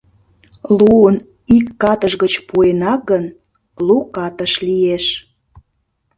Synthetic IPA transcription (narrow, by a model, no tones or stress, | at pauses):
luən | ikːɑt̪əʒɣət͡ɕpuenɑɡən | lukɑt̪əʃlieʃ